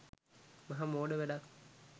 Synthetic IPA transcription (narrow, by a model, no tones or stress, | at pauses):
mɐɦamoːɖəʋeɖak